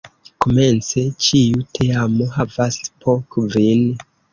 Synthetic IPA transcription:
ko̞me̞nt͡se̞t͡ʃiutʰeamoɦavaspʰokvin

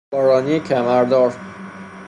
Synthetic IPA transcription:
ɒːɾɒːniecʰæmæɾd̪ɒːɾ

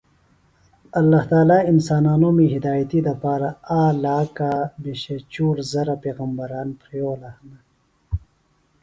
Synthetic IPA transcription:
ɐlːaːht̪aːlaːinsaːnaːnomeɦid̪aːjt̪id̪ɐpaːɾaaːlaːkabeɕet͡ʃuːɾzɐɾapeːɣɐmbɐɾaːnpɾijoːlahna

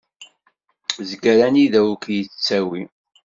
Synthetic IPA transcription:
zɡəɾæniðæwukjət͡st͡sːæwi

